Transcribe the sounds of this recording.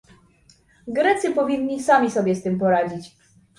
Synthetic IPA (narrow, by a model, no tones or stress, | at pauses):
ɡɾɛt̪sɘpɔvʲinːisamʲisɔbʲjɛst̪ɘmpɔɾad͡ʑit͡ɕ